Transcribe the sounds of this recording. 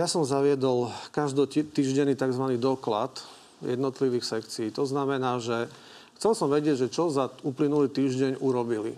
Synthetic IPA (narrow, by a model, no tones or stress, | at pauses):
jasɔmzaʋɪɛd̪ɔlkaʒd̪ɔt̪iːʒɟɛnːiːt̪aɡzʋaniːd̪ɔkla̰t̪ | jɛ̰d̪nɔt̪liʋiːxsɛkt͡siiːt̪ɔznamɛnaːʒɛ | xt͡sɛlsɔmʋɛɟɪɛɟʒɛt͡ʃɔzauplinuliːt̪iːʒɟɛɲuɾɔbilḭ